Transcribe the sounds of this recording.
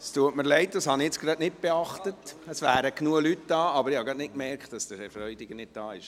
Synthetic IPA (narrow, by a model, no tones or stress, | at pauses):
stuətməɾlɛɪt̚d̥ɑshɑniɛt͡sɡɾɑdnɪt̚b̥eɑχtətəsʋæːɾəknuəlytd̥ɑːɑbəɾɪhɑɡɾɑdnɪt̚kmɛrkχtd̥ɑsd̥əɾɛfɾœʏdɪɡənɪt̚d̥ɑːɪʃ